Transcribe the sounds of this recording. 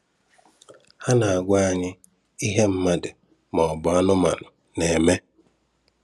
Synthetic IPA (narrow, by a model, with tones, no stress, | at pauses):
ha˦na˨a˨ɡʷa˦a˦ɲɪ˦ | i˦ɦe˦m̩˦ma˦dɪ˨ | mɔ˨bɔ˨a˦nʊ˦ma̰˨nʊ˨ | ne˨me˦